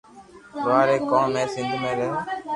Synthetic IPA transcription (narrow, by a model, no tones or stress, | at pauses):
ʋaːɾeːkãːmẽːsɪ̃nd̪ʱmẽːɾɛː